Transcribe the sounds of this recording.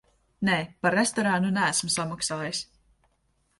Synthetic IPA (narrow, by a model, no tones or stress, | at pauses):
neːpaɾːest̪ɔɾanunææsmsamaksalˠɛjs